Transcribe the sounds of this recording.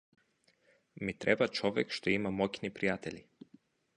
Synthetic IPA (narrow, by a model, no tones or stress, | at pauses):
mit̪ɾʔɛbat͡ʃɔvɛ̰kʃt̪ɔimamɔcʲnipɾijat̪ɛli